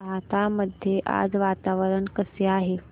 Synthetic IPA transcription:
at̪aməd̪ʱjeʔa̰d͡zʋat̪aʋəɾəɳkəseaːɦe

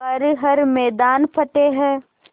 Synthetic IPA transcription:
ɐɾɦɐɾmɛːd̪aːnpʰɐʈeɦɛ̃ː

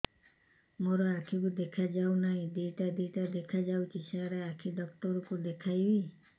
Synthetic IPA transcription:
moɾɔakʰikud̪ekʰad͡ʒawnaɦĩd̪iʈad̪iʈad̪ekʰad͡ʒawt͡ʃʰisaɾeakʰid̪ɔk̚tɔɾukud̪ekʰajbi

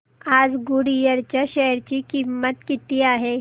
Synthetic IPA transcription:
ad͡zɡuɽijəɾt͡ɕjaɕɛjəɾt͡ɕikimːət̪kit̪iaɦe

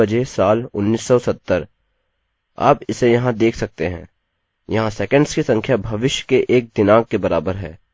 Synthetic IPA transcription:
ɐd͡ʒesaːlʊnːiːsːɔsɐt̪ːəɾ | a̰ːpɪsejɐɦãd̪eːkʰsɐk̚t̪eɦɛ̰̃ː | jɐɦãsɛːkə̃ɳɖskisɐ̃ŋkʰjabʱɐʋɪʃjkeʔeːk̚d̪ɪnaːɡ̚kebɐɾaːbəɾɦɛ̰ː

